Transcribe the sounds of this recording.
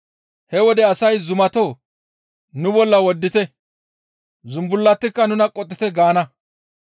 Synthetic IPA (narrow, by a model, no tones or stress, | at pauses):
hɛwɔd̪ɛɐsɐjzʊmɐt̪oː | nʊbɔlːɐwɔd̪ːɪt̪ɛ | zʊmbʊlːɐt̪ːɪkːɐnʊnɐkʼːɔt̪ʼːɪt̪ɛɡaːnɐ